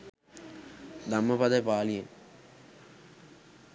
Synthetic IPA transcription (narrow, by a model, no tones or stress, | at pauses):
d̪ɐmːɐpɐd̪ɐpaːlije